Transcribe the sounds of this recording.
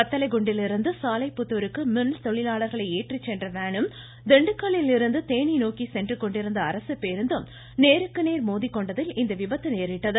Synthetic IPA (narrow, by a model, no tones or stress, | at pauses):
kɐt̪ːɐlɐɪɡʊɳɖɪlɪɾɯnd̪ɯsaːlɐɪpːʊt̪ːɯɾɯkːɯmɪnlt̪ɔɭɪlaːɭɐɾɣɐɭɐɪeːʈrit͡ʃːɛndrɐʋeːɳɯm | d̪ɛɳɖɯkːɐɭɪlɪɾɯnd̪ɯt̪eːɳinoːkisɛndrɯkɔɳɖɪɾɯnd̪ɐːɾɐsɯpːeːɾɯnd̪ɯm | neːɾɯkːɯneːɾmoːðikːɔɳɖɐðɪlɪnd̪ɐʋɪbɐt̪ːɯneːɾɪʈːɐðɯ